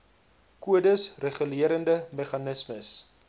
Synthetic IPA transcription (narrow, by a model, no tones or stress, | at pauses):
kuədəsreχəliəɾəndəmeχɐnəsməs